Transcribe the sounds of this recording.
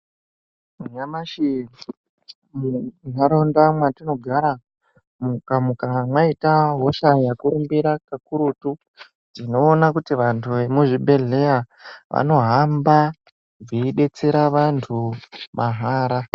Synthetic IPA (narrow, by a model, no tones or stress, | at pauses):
muɲamaʃi | munaɾondamwatino̞ɡʱaɾa | mukamukamwaitaɦo̞ʃajakurumbiɾakakuɾutu | tino̞ːnakutiʋantʰuemuʐiɓʱe̞ɮe̞ja | ʋa̰no̞ɦamba | ʐiiɗe̞t͡se̞ɾaʋantʰumaɦaːɾa